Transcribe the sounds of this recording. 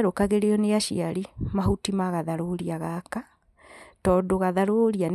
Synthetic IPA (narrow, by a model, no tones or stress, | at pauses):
ɾokaɣeɾeɔneaʃḭaɾimaɦutimaɣaðaɾoɾiaɣaka | tɔːdoɣaðaɾoɾian